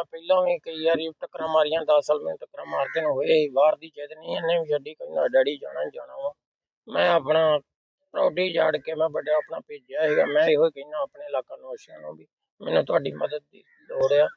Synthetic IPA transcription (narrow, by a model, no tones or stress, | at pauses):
pəilãːĩːkəiːaːɾiːʈəkɾãːmaːɾɪjãːd̪aːsaːlmɛnũːʈəkɾãːmaːɾt̪eːnũːɦoːeːiːbaːɾd̪iːt͡ʃeːd̪nĩːɛ̃nẽːʋiːd͡ʒəɖiːkəĩːnãːɖəɽiːd͡ʒa̰ːnãːd͡ʒa̰ːɽã̰ːãː | mɛ̃ːəpnãː | pɾa̰ːʈiːd͡ʒaːɽkeːmɛ̃ːbəɖaːaːpnãːpeːd͡ʒaːɦeːɡaːmɛ̃ːeːɦoːiːkəĩːnãːaːpneːɪlaːkãːnõːʃãːnũːbiː | mɛ̰ːnũːt̪ʊaːɖiːməd̪əd̪̚iː | loːɽeːaː